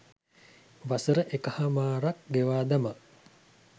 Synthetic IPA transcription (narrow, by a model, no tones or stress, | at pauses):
ʋasəɾəʔekɐhɐmaːɾɐk̚ɡeʋaːd̪ɐma